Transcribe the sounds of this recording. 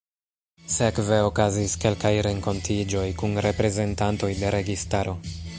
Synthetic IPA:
sekve̞o̞kaziske̞lkajɾe̞ŋko̞ntʰid͡ʒo̞jkunɾe̞pɾe̞ze̞ntanto̞jde̞ɾe̞ɡistaɾo̞

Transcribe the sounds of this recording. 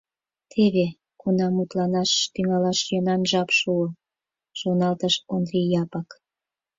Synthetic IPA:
t̪ʰeβe | kunɑmut̪lɑnɑʃt̪yŋɑlɑʃjonɑnʒɑpʃuə | ʒ̥onɑlt̪əʃond̪ɾijɑpɑk

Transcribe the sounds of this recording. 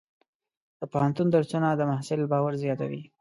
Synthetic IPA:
d̪̥əpohant̪und̪əɾt͡sunad̪əmahsɪlbɑwaɾzjɑt̪a̰wḭ

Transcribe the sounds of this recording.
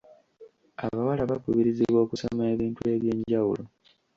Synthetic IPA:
a̰βawalaβakuβiɾiziβwo̞ːkusomeβiːntue̞βje̞ɲɟawṵlo

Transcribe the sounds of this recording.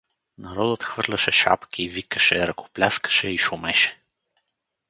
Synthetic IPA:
naɾɔd̪ət̪xvɤɾlʲɐʃɛʃa̰pk̟ʰivikə̥ʃɛɾɐko̥plʲaskə̥ʃɛiʃʊmɛʃɛ̥

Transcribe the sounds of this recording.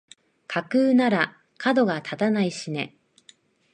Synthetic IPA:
kʰakɯ̟ːnaɾa | kʰad̪o̞ɡat̪ʰat̪anaiɕine̞̰

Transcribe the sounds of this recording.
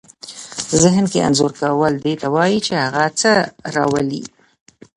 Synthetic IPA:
zɪɦnkea̰nzoɾkawəld̪et̪awɑjit͡ʃehaɣat͡səɾɑ̰wəlḭ

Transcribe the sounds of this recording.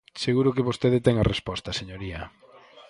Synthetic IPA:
seɣuɾʊkeβost̪eðɪt̪ɛŋɐrespɔst̪ɐseɲoɾiɐ

